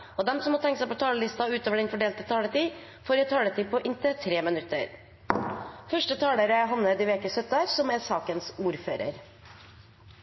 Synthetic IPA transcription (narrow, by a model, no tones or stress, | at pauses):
ɔd̪ɛmsɔmhoːt̪ʰɛŋkəsæɪpɔt̪ʰɑːləlɪst̪ɑʉːt̪oːʋəɖɛnfɔɖeːlt̪ət̪ʰɑːlət̪iː | foːɾjæt̪ʰɑːlət̪ʰiːpʰɔʔɪnt̪ət̪ʰɾeːmɪnʉt̪ːə̰ɾ | fœʂʈət̪ʰɑːləɾəɦɑnːəd̪ɪʋeːkəsœt̪ɑsɔmæɾsɑːkənsuːɾføːɾə̰ɾ